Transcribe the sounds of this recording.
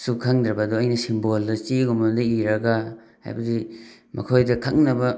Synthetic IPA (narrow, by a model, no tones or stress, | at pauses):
sukʰaŋd̪ɾɐbɐduɐjnɐsimboldɐt͡ʃiɡomɐdɐiɾɐɡa | ha̰jbɐdi | mɐ̰kʰojdɐkʰaŋnɐbɐ